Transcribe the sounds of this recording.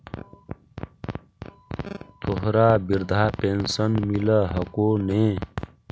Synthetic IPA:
t̪ʰoɦɾaːbiɾd̪ʱaːpensənmiləɦəkoːnẽ

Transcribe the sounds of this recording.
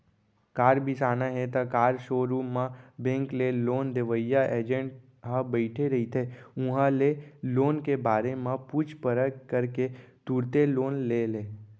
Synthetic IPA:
kaːɾbʱisaːnaɦet̪akaːɾʃoːɾuːmãbẽːŋkleloːnd̪eʋəjaʔeːd͡ʒə̃ɳʈ | ɦãbəɪʈʰeɾɐɦit̪ʰeʊ̃ɦãleloːnkebaːɾemãpuːt͡ʃʰpəɾəkkəɾket̪uːɾt̪eloːnleːleː

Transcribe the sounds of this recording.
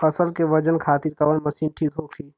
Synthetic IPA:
əsəlkeʋɐd͡ʒənkʰaːt̪iɾk̪ɐʋənmɐsiːnʈʰiːk̪oːkʰiː

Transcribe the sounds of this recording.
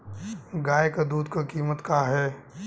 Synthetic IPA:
ɡaːjekad̪uːd̪kekiːmət̪kaɦɛː

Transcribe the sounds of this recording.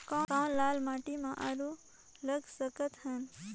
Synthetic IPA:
kɔ̃ãlaːlmaːʈimãʔaɾu | ləɡsəkət̪ɦən

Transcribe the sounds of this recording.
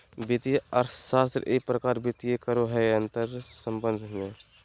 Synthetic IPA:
bɪt̪iaɾsaːst̪ɾʔepɾəkaːɾbɪt̪iekəɾoɦɛənt̪əɾsəmbə̃nd̪ʱɦɪjẽː

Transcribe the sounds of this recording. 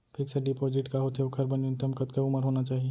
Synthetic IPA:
pʰiksəɖipɔd͡ʒɪʈkaɦot̪eokʰəɾbənd͡ʒunt̪əmkət̪keʊməɾɦoːnat͡ʃaːɦie

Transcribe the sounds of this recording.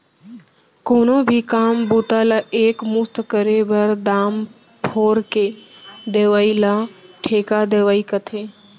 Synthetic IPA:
koːnoːbʱikaːmbuːt̪aːlaʔeːkmʊst̪kəɾeʋəɾd̪aːm | pʰoːɾked̪eːʋaːilaːʈʰeːkad̪eːʋaːikət̪ʰeː

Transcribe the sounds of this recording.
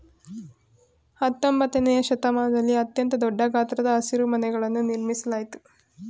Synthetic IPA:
hɐt̪ːɐmbɐt̪ɐnejɐʃɐt̪ɐmaːnɐd̪ɐlːiɐt̪jɐnt̪ɐd̪ɔɖːɐɡaːt̪ɾɐd̪ɐːsiɾumɐnɛɡɐɭɐnːuniɾmisɐlaːjit̪u̥

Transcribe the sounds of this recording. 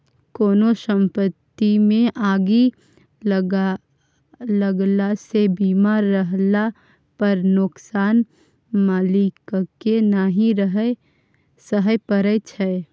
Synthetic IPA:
koːnosə̃mpət̪ːimẽʔaːɡi | ləɡlasebiːmaːɾːəɦla | pəɾnʊksaːn | maːlikkenaɦĩɾəɦə | səɦəjpəɾət͡ʃʰɛ

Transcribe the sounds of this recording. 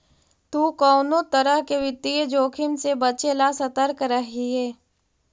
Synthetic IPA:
t̪uːkɔːnot̪əɾəɦkeʋɪt̪ːiəd͡ʒoːkʰɪmsebɐt͡ʃelasɐt̪əɾkɾəɦiɦeː

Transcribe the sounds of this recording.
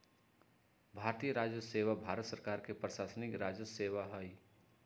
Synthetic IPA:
bʱaːɾt̪iːjəɾaːd͡ʒjəseːʋabʱaːɾət̪səɾkaːɾkepɾəʃaːsənɪkɾaːd͡ʒəseːʋaɦəi

